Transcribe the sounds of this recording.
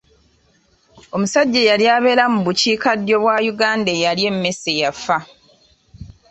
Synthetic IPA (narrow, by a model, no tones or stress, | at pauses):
o̞musaɟːejaljaːβe̞ɾamuβuciːkadjo̞βwajuɡaːndejalje̞mːe̞se̞jafa